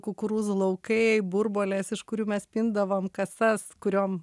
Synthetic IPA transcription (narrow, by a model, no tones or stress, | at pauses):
kʊkʊɾuːslˠɐʊkɐɪbʊɾboːlʲeːsɪʃkʊɾʲuːmʲɛspʲɪnd̪ɐʋoːmkɐsɐskʊɾʲoːm